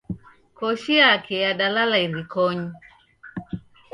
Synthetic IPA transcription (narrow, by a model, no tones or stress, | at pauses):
kɔʃiakɛjaɗalalaiɾikɔɲi